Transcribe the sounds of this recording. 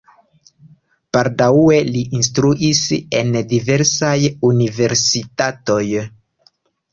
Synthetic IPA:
paɾdaue̞liʔinstɾuʔise̞̰ndive̞ɾsajunive̞ɾsitato̞j

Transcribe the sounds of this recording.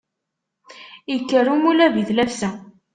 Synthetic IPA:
jəkːərumulæviðlæfsæ

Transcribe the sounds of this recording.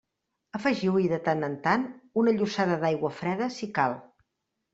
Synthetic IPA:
əfəʒiwiðət̪anənt̪anunəʎusaðəðajɣwəfɾɛðəsikalˠ

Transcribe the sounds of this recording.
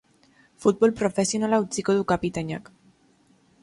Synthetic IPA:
fut̪̚bo̞lpɾo̞fe̞sijo̞nalaut͡siko̞ðukapit̪aɲa̰k

